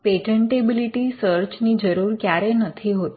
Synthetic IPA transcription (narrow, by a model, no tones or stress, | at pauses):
peʈəɳʈebiliʈisəɾt͡ʃnid͡ʒəɾuːɾkjaɾenət̪ʰiɦot̪